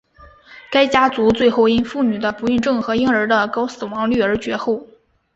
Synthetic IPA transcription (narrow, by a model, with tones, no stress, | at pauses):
ka˥ɪt͡ɕja˥t͡su˧˥t͡swe˥˧ɪxo˥˩ʊi˥nfu˥˩ny˨˩d̪ə˦pu˧˥y˥˧nʈ͡ʂɤ˥˩ŋxɤ˧˥i˥ŋə˞˧˥d̪ə˧kɑ˥ʊsɹ̩˨˩wɑ˧˥ŋly˥˩ə˞˧˥t͡ɕɥɛ˧˥xo˥˩ʊ